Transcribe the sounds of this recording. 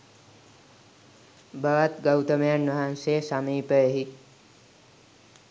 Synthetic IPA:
bʱəʋat̪ɡɐwt̪əmejanʋɐɦansesamiːpəeɦi

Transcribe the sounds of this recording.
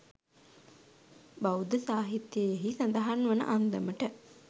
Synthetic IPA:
bawd̪əsaːɦit̪jəjeɦisɐnd̪ɐɦanʋɐnə̰ʔand̪əməʈə

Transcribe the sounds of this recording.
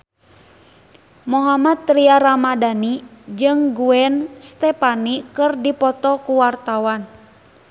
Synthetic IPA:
muɦamat̪ːɾiaɾamadanid͡ʒɨŋɡuɛnst̪ɛpanikɨrdipɔt̪ɔkuwart̪awan

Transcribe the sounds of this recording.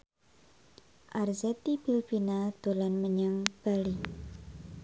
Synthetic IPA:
ʔarzɛt̪ib̥ilbinad̪̥olanməɲaŋb̥ali

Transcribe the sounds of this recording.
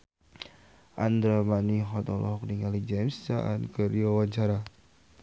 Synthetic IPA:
ʔand̪ɾamaniɦɔt̪ɔlʔɔɦɔk̚niŋalid͡ʒɛmssa̰ʔa̰nkəɾiwawaɲt͡ʃaɾa

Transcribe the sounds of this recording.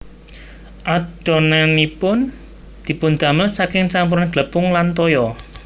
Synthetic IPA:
ʔad̥ɔ̤nanipʊn | d̪̥i̤pʊnd̪̥a̤məsakɪŋsampuɾnaɡ̥lə̤pʊŋlant̪ɔjɔ

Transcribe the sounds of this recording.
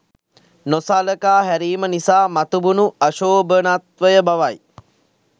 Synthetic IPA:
nosaləkaːɦæɾiːmənisaːmat̪ubunuaʃoːbənat̪ʋəjəbaʋaj

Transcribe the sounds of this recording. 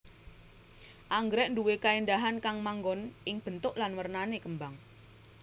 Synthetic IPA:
ʔaŋɡɾɛʔnduwekaind̪aɦankaŋmaŋɡɔnʔɪŋb̥ə̤nt̪ʊʔlanwərnanekəmbaŋ

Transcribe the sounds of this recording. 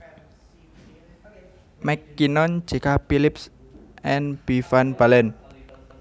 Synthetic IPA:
mɛkːinɔn̥d͡ʒ̥i̤kapilɪps | ʔɛnb̥ifanb̥alɛn

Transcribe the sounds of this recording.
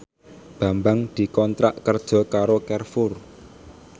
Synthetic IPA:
b̥ä̤mbaŋd̪̥i̤kɔnt̪ɾaʔkərd̥ʒ̥ɔ̤kaɾokɛrfʊr

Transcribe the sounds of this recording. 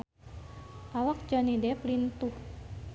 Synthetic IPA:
ʔawak̚d͡ʒɔnidɛplint̪uh

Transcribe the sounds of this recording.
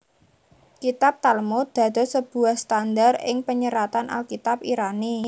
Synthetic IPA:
kit̪ap̚t̪almod̪̥ä̤d̪̥o̤səb̥ṳahst̪and̪arɪ̰ŋpəɲəɾat̪anʔa̰lkit̪ap̚iɾani

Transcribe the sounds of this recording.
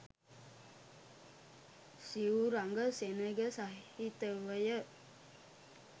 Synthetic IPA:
siuɾaŋɡəsenəɡəsaɦhit̪əʋəjə

